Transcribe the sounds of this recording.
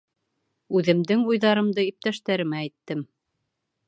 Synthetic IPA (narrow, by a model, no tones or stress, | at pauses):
ʉðɘ̆md̪ɘŋujðɑɾɤ̆md̪ɤip̚t̪æʃt̪æɾɘ̆mæːjt̪ːɘm